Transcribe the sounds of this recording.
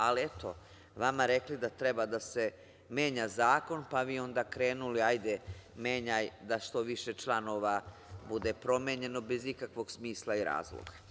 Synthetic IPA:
aliet̪o̞̰ | ʋamaɾe̞klid̪at̪ɾebad̪ase̞ | me̞ːɲazaːko̞npaʋiːo̞nd̪akɾe̞ːnuliajd̪eme̞ːɲajd̪aʃt̪o̞ʋiʃe̞t͡ʃlˠano̞ʋabud̪e̞pɾo̞meɲe̞no̞bezikakʋo̞ɡsmiːslˠaiɾa̰ːzlˠo̰ɡa

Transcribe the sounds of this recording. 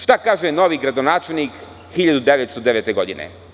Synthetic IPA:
ʃt̪akaːʒeno̞ʋiɡɾad̪onaːt͡ʃelʲˠnik | xiʎad̪ud̪eʋet̪st̪od̪eʋeːt̪eɡo̞d̪inḛ

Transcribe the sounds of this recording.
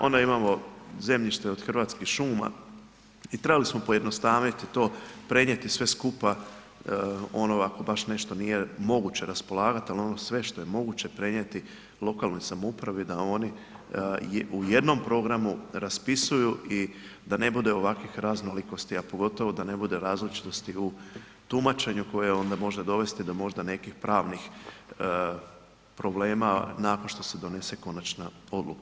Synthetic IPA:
o̞̰nd̪aimamo̞ze̞mʎiʃt̪eo̞d̪xr̩ʋaːt̪skixʃuːma̰ | it̪ɾe̞balismo̞po̞je̞d̪no̞st̪aːʋnit̪it̪o̞ːpɾe̞ɲe̞t̪isʋe̞skupa | o̞noako̞baʃne̞ʃt̪o̞nije̞mo̞ɡut͡ɕeɾaspo̞lˠaːɡat̪ialio̞nosʋe̞ʃt̪o̞je̞mo̞ɡut͡ɕe̞pɾe̞ɲet̪i | lˠo̞kaːlˠno̞jsamupɾaʋid̪ao̞ːni | uje̞d̪no̞mpɾo̞ɡɾamuɾaspisujuʔid̪ane̞bud̪e̞o̞ʋakʋixɾazno̞liko̞st̪iapo̞ɡo̞t̪o̞ʋo̞d̪ane̞bud̪e̞ɾaːzlit͡ʃi̥t̪o̞st̪iu | t̪umat͡ʃe̞ɲuko̞jeo̞nd̪amo̞ʒed̪o̞ʋe̞st̪id̪o̞mo̞ʒd̪ane̞kixpɾaːʋnix | pɾo̞ble̞ːmanaːko̞nʃt̪o̞se̞d̪o̞ne̞se̞ko̞nat͡ʃnao̞d̪lṵka

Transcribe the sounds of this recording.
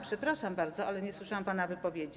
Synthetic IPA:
pʂɛpɾaʂambaɾd̪zɔalɛɲɛswɘʂawampanavɘpɔvʲjed͡ʑi

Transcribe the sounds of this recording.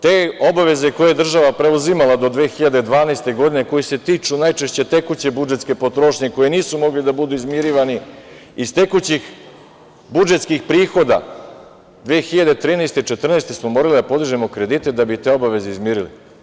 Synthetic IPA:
t̪eːobaʋe̞ze̞ko̞jejed̪r̩ʒaʋapɾe̞uzimalˠad̪o̞d̪ʋeːxiʎad̪e̞d̪ʋaːnaest̪e̞ɡo̞d̪ine̞ko̞jise̞t̪iːt͡ʃunajt͡ʃe̞ʃt͡ɕet̪e̞kut͡ɕe̞bud͡ʒet̪ske̞po̞t̪ɾo̞ʃɲe̞ko̞jiniːsumo̞ɡlid̪abud̪uizmiɾiːʋani | ist̪e̞kut͡ɕix | bud͡ʒe̞t̪skixpɾiːxo̞d̪a̰ | d̪ʋeːxiʎad̪e̞t̪ɾiːnejst̪et͡ʃe̞t̪r̩nejst̪e̞smomoːɾalid̪apo̞d̪iʒemo̞kɾe̞d̪iːt̪e̞d̪abit̪e̞o̞baʋe̞zeizmiɾilḭ

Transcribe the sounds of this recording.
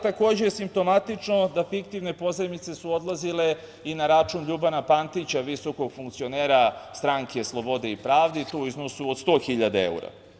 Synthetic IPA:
t̪ako̞ːd͡ʑejesimp̚t̪o̞mat̪it͡ʂno̞d̪afikt̪iʋne̞po̞zemit̪se̞suo̞d̪lˠazile̞ | inaɾat͡ʃunʎubanapant̪it͡ɕaʋiso̞ko̞ɡ̥fuŋkt̪sio̞neːɾast̪ɾaŋke̞slˠo̞bo̞d̪eipɾaːʋd̪it̪ouiznosuod̪st̪o̞ːxiʎad̪aḛṵɾa̰

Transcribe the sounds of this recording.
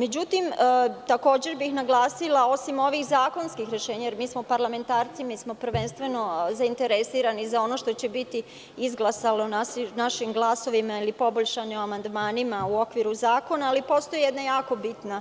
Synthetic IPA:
me̞d͡ʑut̪imt̪ako̞ːd͡ʑe̞ɾbixnaɡlˠaːsilao̞simo̞ʋixzaːko̞nskixɾe̞ʃe̞ːɲajeɾmiːsmo̞paɾlˠame̞nt̪aːɾt̪simiːsmo̞pɾʋe̞nst̪ʋe̞no̞zaint̪e̞ɾesiːɾanizao̞no̞ʃt̪ot͡ɕe̞bit̪i | izɡlˠasalonanaʃimɡlˠaːso̞ʋimailipo̞boʎʃanioamand̪maːnimauo̞kʋiɾuzaːko̞naːlipo̞st̪o̞jjed̪najaːko̞bit̪na

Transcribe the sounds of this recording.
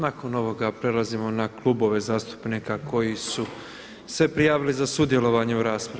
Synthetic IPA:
nako̞no̞ʋo̞ɡapɾe̞lˠazimo̞naklˠubo̞ʋe̞zaːst̪u̥pnikakʰo̞jisu | se̞pɾijaːʋilizasud̪je̞lo̞ʋaɲe̞uɾaːspɾa

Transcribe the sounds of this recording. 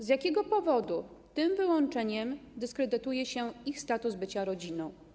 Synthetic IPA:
zjakʲɛɡɔpɔvɔd̪ut̪ɘmvɘwɔnt͡ʂɛɲɛmd̪ɘskɾɛd̪ɘt̪ujɛɕɛixst̪at̪uzbɘt͡ɕaɾɔd͡ʑinɔ̃w̃

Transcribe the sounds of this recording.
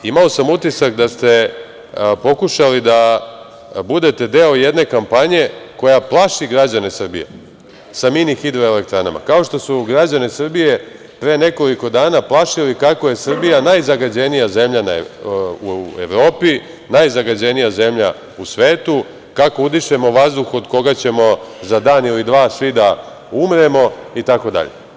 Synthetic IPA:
imao̞samut̪isakd̪ast̪e̞ | po̞kuʃalid̪a | bud̪e̞t̪e̞d̪e̞o̞je̞d̪ne̞kampaɲe̞ko̞japlˠaʃiɡɾad͡ʑane̞sr̩bḭjḛ | saminixid̪ɾoele̞k̚t̪ɾana̰ma̰kao̞ʃt̪o̞suɡɾad͡ʑanesr̩bije̞ | pɾene̞ko̞liko̞d̪aːnaplˠaʃilikakoje̞sr̩bijanajzaɡad͡ʑe̞nijaze̞mʎanauḛʋɾo̞ːpi | najzaɡad͡ʑe̞nijaze̞mʎa | usʋe̞ːt̪u | kakoud̪iʃe̞mo̞ʋazd̪uxo̞d̪ko̞ɡat͡ɕe̞mo̞zad̪aːnilid̪ʋaːsʋid̪a | umɾe̞mo̞it̪ako̞d̪a̰ʎḛ

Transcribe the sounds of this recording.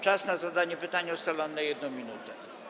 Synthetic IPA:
t͡ʂasnazad̪aɲɛpɘt̪aɲɛɔst̪alɔnːɛjɛd̪̚nɔ̃w̃mʲinut̪ɛ

